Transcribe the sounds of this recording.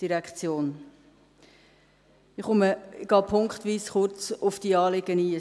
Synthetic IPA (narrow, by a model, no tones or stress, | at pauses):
d̥iɾɛkχt͡sjoːn | ɪχʊməɡ̥ɑːpʰʊŋkχtʋiːsχʊɾt͡sʊfd̥iəɑːlɪɡəniː